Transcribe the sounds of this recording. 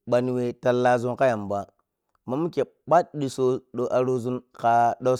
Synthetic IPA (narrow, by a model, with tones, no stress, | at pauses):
ɓa˨n˨we˨ta˨la˦zu˦nka˦ja˨mba˨ | ma˦mu˦ke˨ | ɓa˦t̚ɗi˨so˦ɗo˨ʔa˨ɾo˦zu˦nka˦ɗo˦